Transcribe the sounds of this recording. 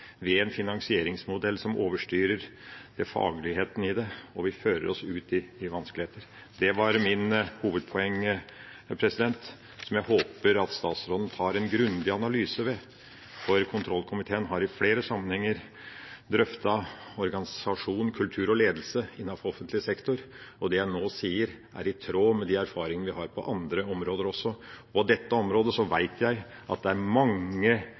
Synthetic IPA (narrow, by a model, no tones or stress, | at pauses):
ʋɛɛnfɪnɑŋsɪeːɾɪŋsmʊd̪ɛlːsɔmʔoːʋəʂʈyːɾəɾd̪̥ɛfɑ̰ːɡlɪɦeːt̪ənəɪd̪ɛɔʋɪføːɾə̰ɾɔsʉːt̪ɪɪʋɑnskəlɪheːt̪əɾ | d̪ɛʋɑɾmɪnhuːʋəd̪̚pʰɔɛŋː | pʰɾɛsɪd̪ɛnt̪ | sɔmjæɪhoːpəɾɑt̪st̪ɑːt̪sɾoːd̪n̩t̪ʰɑːɾɛnɡɾʉnd̪ɪɑnɑlyːsəʋɛ | fɔɾkʰʊnt̪ʰɾɔlkʰʊmɪt̪ʰeːənɦɑɾɪfleːɾəsɑmːənhɛŋːəɾ | d̪ɾœft̪ɑɔɾɡɑnɪsɑʂuːnnkʰʉlt̪ʰʉːɾɔleːd̪lsəɪnːɑfɔɔfənt̪lɪəsɛkt̪ʊɾɔd̪ɛjæɪnoːsiːəɾ | ʔæ̰ɾɪt̪ʰɾoːmɛd̪iæɾfɑːɾɪŋənəʋɪhɑːɾpʰɔ̰ʔɑnd̪ɾəɔmɾoːd̪əɾɔsːɔɔpɔd̪ɛt̪ːəɔmɾoːd̪əsɔʋæɪt̪ʰjæɪ | ʔɑ̰t̪̚d̪ɛæɾmɑŋːə